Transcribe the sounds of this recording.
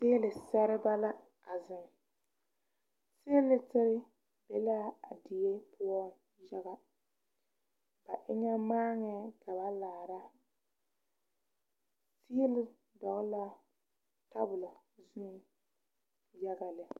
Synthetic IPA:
sɪ˦lɪ˨sɛ˦ɾɪ˦ba˦la˦ | a˨zɪ˨ŋ˨ | sɪ˦lɪ˦tɪ˦ɾɪ˦ | bɛ˦la˦a˨dɪ˨je˦pʰʊ˦a˦ | ja˦ɣa˨ | ba˨ʔɪ˦ɲa˦maː˦ŋɛ˨ka˨ba˦laː˨ɾa˦ | sɪ˦ɛ˦lɪ˨ | dɔ˨ɣɪ˦la˦ | ta˦bʊ˨lʊ˨zʊ˦˨˦ | ja˦ɡa˨lɪ˨

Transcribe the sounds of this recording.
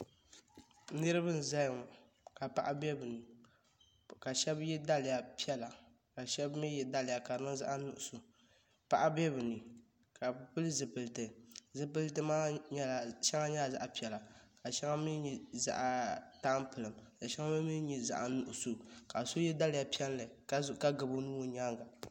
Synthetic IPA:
nɨ˦ɾɨ˦bɨ˦n̩˨za˦jŋ˨ | ka˨pa˦ʔa˦bɛ˦bɨ˨nɨ˨ | ka˨ʃɛ˦bjɛ˦da˦lɪ˨ja˨pi˦ɛ˦la˨ | ka˨ʃɛ˦bmi˦jɛ˨da˦lɪ˨ja˨ka˨nɨ˦ŋza̰˦ʔa˦nʊ˨ʔʊ˨su˨ | pa˦ʔa˦bɛ˦bɨ˨nɨ˨ | ka˨˦˨pɨ˦lɨ˦zɨ˨pɨ˨ltɨ˨zɨ˨pɨ˦ltɨ˦maː˦ɲɛ˦la˨ʃɛ˦ŋa˦ɲɛ˦la˨za̰˦ʔa˨pi˦˨ɛ˨la˨ka˨ʃɛ˦ŋa˦mi˦ɲɛ˨za̰˦ʔtaː˦m˦pɨ˨lɨ˨mka˨ʃɛ˦ŋa˦mɨ˦mi˦n˦ɲɛ˦za̰˦ʔa˨nʊ˨ʔʊ˨so˨ka˨so˦jɛ˦da˦lɪ˨ja˨pi˦ɛ˦lla˨˦ka˦ɡɨ˨bo˦nu˦o˦ɲa˦ŋɡa˨

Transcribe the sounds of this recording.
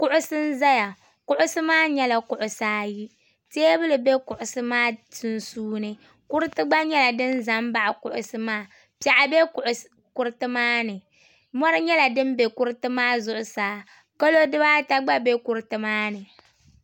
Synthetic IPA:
kʊ˦ʔʊ˦sɨ˦n̩˦za˦ja˨ | kʊ˦ʔʊ˦sɨ˦maː˦ɲɛ˦la˨kʊ˨ʔʊ˨saː˦ji˦ | te˦bɨ˦lɨ˨be˦kʊ˨ʔʊ˨sɨ˦maː˦tɨ˦n˦suː˦nɨ˦ | kʊ˦ɾɨ˦tɨ˦ɡ͡ba˦ɲɛ˦la˨dɨ˦n˦za˨mba˦ʔa˨kʊ˨ʔʊ˨sɨ˦maː˦ | pi˦a˨ʔa˨be˦kʔʊ˨ | kʊ˨ɾɨ˦tɨ˦maː˦nɨ˨ | mɔ˦ɾɨ˦ɲɛ˦la˨dɨ˦m˦be˨kʊ˦ɾɨ˦tɨ˦maː˦zʊ˦ʔʊ˨saː˨˦ | ka˦lo˦dɨ˦baː˦ta˦ɡ͡ba˦be˦kʊ˨ɾtɨ˦maː˦nɨ˨

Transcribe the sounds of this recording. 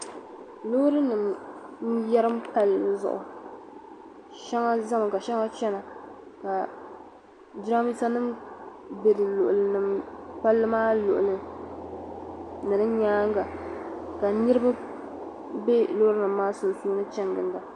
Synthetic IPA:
lo˦ɾɨ˦nɨ˨mn̩˦jɛ˦ɾɨ˦mpa˦lɨ˦zʊ̰˨ʔʊ̰˨ | ʃɛ˦ŋa˦za˦m˨ka˨ʃɛ˦ŋa˦t͡ʃɛ˦na˨ | ka˨ | d͡ʒɾa˦mi˦sa˦nɨ˦m | be˨dɨ˨lʊ˨ʔʊ˨lɨ˨nɨ˨mpa˦lːɨ˦maː˦lʊ˨ʔʊ˨lɨ˨ | nɨ˨ɾɨ˦ɲaː˦ŋ˦ɡa˨ka˨nɨ˦ɾɨ˦ba˦ | be˦lo˦hɾɨ˦nɨ˨mːaː˦sʊ˨n˨suː˦nɨ˦t͡ʃɛ˦ŋɡɨ˨n˦da˨

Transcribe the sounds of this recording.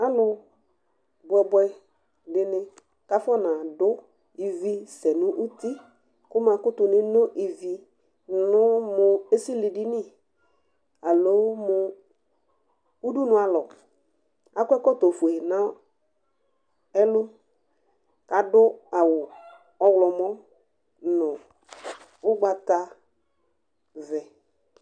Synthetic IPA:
a˦lʊ˨ | bɛ˨bɛ˦ | dɪ˨nɪ̃˦ | ka˦fɔ˦nã˨dʊ˦ | i˨vi˦sɛ˨nʊ̃˦ʔu˦ti˦ | kʊ˦mã˨kʊ˦tʊ˨nɪ˦no˦ʔi˨vi˨ | nʊ˦mʊ˨e˦si˦li˨di˦nɪ̃˦˨ | a˨lo˨˦mʊ˦ | u˦du˦nʊ̃˦a˨lɔ˨ | a˦kʷɛ˦kɔ˦to˨fe˨nã˦ | ɛ˦lʊ˦ | ka˨dʊ˦a˨wʊ˨ | ɔ˦wlɔ˨mɔ˦ | nʊ̃˨ | ʊ˦ɡ͡ba˨ta˦ | vɛ˨

